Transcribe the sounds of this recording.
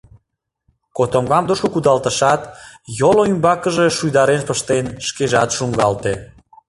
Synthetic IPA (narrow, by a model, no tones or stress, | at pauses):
kot̪omɡɑmd̪oʃokud̪ɑlt̪əʃɑt̪joloymbɑkəʒe̽ʃujd̪ɑɾenpəʃt̪enʃkeʒɑt̪ʃuŋɡɑlt̪e